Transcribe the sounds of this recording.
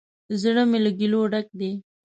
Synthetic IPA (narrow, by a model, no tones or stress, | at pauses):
zəɽəmeloɡiloɖak̚d̪e